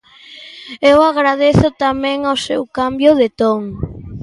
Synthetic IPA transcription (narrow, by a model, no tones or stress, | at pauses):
ewaɣɾað̞eθʊt̪amẽŋosewkambjʊðet̪oŋ